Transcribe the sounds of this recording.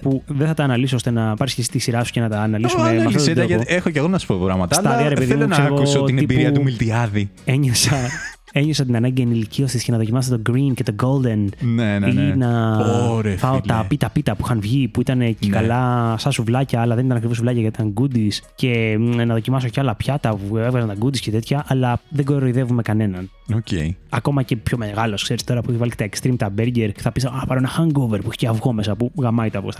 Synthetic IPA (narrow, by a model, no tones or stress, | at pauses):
puðeθɐt̪ɐːnɐlisoost̪enɐpɐɾiscesist̪isiɾɐsu̥cenɐt̪ɐːnɐlisumemɐfot̪d̪ɐɐoexoceɣonɐsu̥popɾɐmɐt̪ɐsɐlɐðiɐɾe̞peðimnseɣoineibiɾiɐumilt̪iɐðieɲesɐ | e̞ɲesɐt̪̬inɐnɐɲɟeniliciost̪isce̞nɐðo̞cimɐst̪t̪oɡɾince̞t̪o̞ɡo̞ld̪e̞nneinɐoɾefɐot̪ɐpit̪ɐpit̪ɐpuixɐnvʝipuit̪ɐnecekɐlɐsɐsuvlɐcɐːlɐðe̞nit̪ɐnɐkɾivos̬vlɐcɐʝɐt̪it̪ɐŋɡud̪isce̞nɐðo̞cimɐs̬o̞ceɐlɐpçɐt̪ɐpue̞vɣɐzɐnt̪ɐɡud̪iscet̪et̪çɐʔɐlɐðeɡoɾoiðevume̞kɐne̞nɐn | ocḛɐko̞mɐce̞pço̞meɣɐlo̞skse̞ɾist̪o̞ɾɐpueçivɐlice̥t̪ɐekst̪ɾimt̪ɐbeɾɟeɾce̥θɐpisɐpɐɾoenɐxɐŋɡoveɾpueçe̥ceɐvɣo̞mesɐpuɣɐmɐit̪oɐvɣost̪